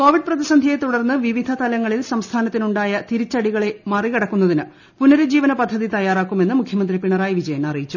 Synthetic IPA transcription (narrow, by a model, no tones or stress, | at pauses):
ko̞ːʋiɖ̚prɐðisɐnd̪ʱijet̪uɽɐrnːɨʋiʋid̪ʱɐt̪ɐlɐŋːɐɭilsɐmst̪ʰaːnɐt̪ːinuɳɖaːjɐt̪iɾit͡ɕːɐɽiɣɐɭe̞mɐrikɐɽɐkːunːɐðinɨ | punɐɾud͡ʑiːʋɐnɐpɐd̪ʱːɐðit̪ɐjaːraːkːume̞nːɨmukʰjɐmɐnd̪ripiɳɐraːjiʋid͡ʑɐjɐnɐrijit͡ɕːu